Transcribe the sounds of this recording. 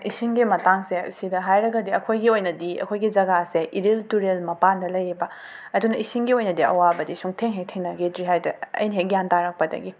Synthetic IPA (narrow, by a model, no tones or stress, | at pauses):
ʔisiŋɡimɐtaŋsesidɐɦajɾɐɡɐdiɐkʰojɡiojnɐdiɐ̰kʰojɡid͡ʒɐɡaseʔiɾiltuɾelmɐpandɐlɐjibɐ | ɐdunɐisiŋɡiojnɐdiɐ̰wabɐdisuŋtʰeŋɦek̚tʰeŋnɐɡedɾiɦajdɐɐ̰jnɐɦek̚jantaɾɐk̚pɐdɐ̰ɡi